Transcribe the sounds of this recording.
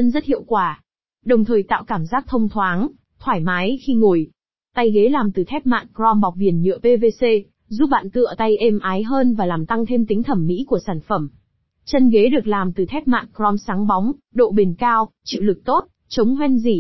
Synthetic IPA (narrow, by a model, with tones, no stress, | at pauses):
ə˧nzə˦˥t̚hḭ˧˨əwkwaː˧˩ | ɗə˨˩wŋ͡mt̪ʰəː˨˩jt̪a̰ː˧˨wkaː˧˩mzaː˦˥k̚t̪ʰə˧wŋ͡mt̪ʰwaː˨˦n | t̪ʰwaː˧˩jmaː˨˦jxi˧ŋo˧˩j | t̪a˧jɣe˨˦laː˨˩mt̪ɨ˨˩t̪ʰɛ˦˥p̚ma̰ː˧˨nkzɔ˧mɓa˨˩wk͡p̚vi˨˩ənɲɨ̰˧˨əpe˧ve˧se˧ | zu˦˥p̚ɓa̰ː˧˨nt̪ɨ̰˧˨ət̪a˧jʔɛ˧mʔaː˨˦jɦəː˧nvaː˨˩laː˨˩mt̪a˧ŋt̪ʰe˧mt̪ï˨˦ŋ̟t̪ʰə˧˩mːḭ˧˥ku˧˩əsaː˧˩nfə˧˩m | t͡ɕə˧nɣe˨˦ɗɨ˨˩ək̚laː˨˩mt̪ɨ˨˩t̪ʰɛ˦˥p̚ma̰ː˧˨nkɾɔ˧msaː˨˦ŋɓɔ˨˦wŋ͡m | ɗo̰˧˨ɓe˨˩nkaː˧wt͡ɕḭ˧˨wlɨ˨˩k̚t̪o˦˥t̚ | t͡ɕə˨˦wŋ͡mɦwɛ˧nzi˧˩